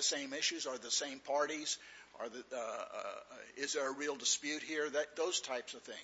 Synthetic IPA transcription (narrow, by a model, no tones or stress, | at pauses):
ɨsẽɪ̃mɪʃʉzə˞ðəsẽɪ̃mpʰɑɹɾizʔə̰˞ð | ɪzðə˞əɹilˠdəspjʉt̚hiɹðɨt̪̚ðoʊz̥tʰaɪpsʌv̥θɪ̰̃ŋ